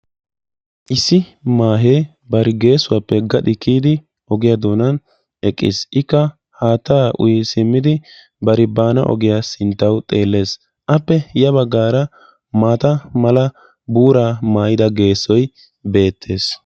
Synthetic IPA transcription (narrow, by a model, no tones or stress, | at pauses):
ʔɪsːɪmaːɦeː | bɐɾɪɡe̞ːsːʊwapːɛɡɐᶑ̪ɪkːiːd̪ɪ | ʔɔɡɪjad̪oːnɐn | ɛkʼːɪ̰sʔɪkːɐ | haːt̪ːaːʔʊ̰jsɪmːɪd̪ɪ | bɐɾɪbaːnɐ̰ʔɔ̰ɡɪjaːsɪnt̪ːɐwt̪ʼe̞ːlːe̞ːs | ʔɐpːɛjɐβɐɡːaːɾɐ | maːt̪ɐmɐlɐ | buːɾaːmaːjɪd̪ɐɡe̞ːsːɔj | be̞ːt̪ʰːe̞ːs